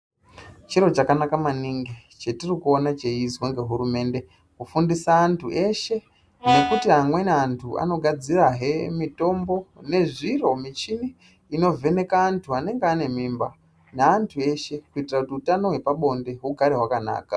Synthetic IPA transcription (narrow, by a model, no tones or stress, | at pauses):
t͡ʃiɾo̞t͡ʃakanakamaniŋɡi | t͡ʃetirikuo̞nat͡ʃe̞izwaŋɡe̞ɦurume̞ːnde̞ | kufundisaːntʰuʔe̞ʃe̞ | ne̞kutiɦamwe̞nantʰuʔa̰no̞ɡʱad͡ziraɦe̞mito̞mbo̞ne̞ʐiro̞mit͡ʃini | ino̞ve̞ne̞kaːntʰuane̞ŋɡeane̞mimba | neantʰue̞ʃe̞kuitirakutiutano̞ɦwe̞paɓo̞nde̞ɦuɡʱaɾeɦwakana̰ːka̰